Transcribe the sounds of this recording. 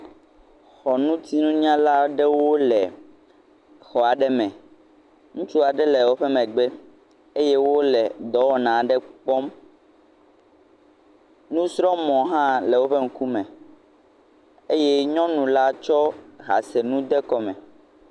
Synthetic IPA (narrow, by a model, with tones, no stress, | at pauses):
xɔ˨nũ˦t̪i˦nũ˦ɲ˦ã˦la˦ɖɛ˦wo˦lɛ˨ | xɔ˨a˨ɖɛ˦mɛ̃˨ | ŋũ˦t͡ʃu˦a˨ɖɛ˦lɛ˨wo˦ɸɛ˦mɛ̃˨ɡ͡be˦ | e˦je˦wo˦lɛ˨d̪ɔ˨˦wɔ˦nã˨ɖɛ˦k͡pɔ˦m | nũ˦sɾɔ̃˦mɔ̃˨ɦã˦lɛ˨wo˦ɸe˦ŋ̩˦ku˦mɛ̃˨ | e˦jɛ˦ɲɔ̃˦nũ˨la˦t͡ʃɔ˦ɦa̰˨se˨nũ˦d̪ɛ˦kɔ˨mɛ̃˨